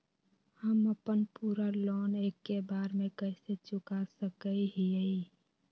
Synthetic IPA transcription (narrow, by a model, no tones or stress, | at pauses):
həməpənpuɾalɔːneːkːebaːɾmekəɪset͡ʃʊkasəkəiɦiəi